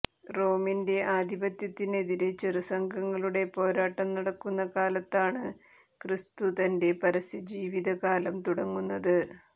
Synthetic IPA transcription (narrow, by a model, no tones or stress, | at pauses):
ro̞ːminde̞ʔaːd̪ʱibɐt̪jɐt̪ːine̞ðiɾe̞t͡ɕerɨsɐŋɡʱɐŋːɐɭuɽe̞po̞ːɾaːʈːɐmnɐɽɐkːunːɐkaːlɐt̪ːaːɳɨ | krist̪ut̪ɐnde̞pɐɾɐsid͡ʑiːʋiðɐkaːlɐmt̪uɽɐŋːunːɐðɨ